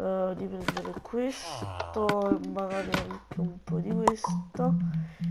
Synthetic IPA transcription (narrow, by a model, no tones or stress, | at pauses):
d̪ipɾɛnd̪eɾekʰwest̪oɛmːaɡaɾeaŋkeumpɔd̪ikwest̪o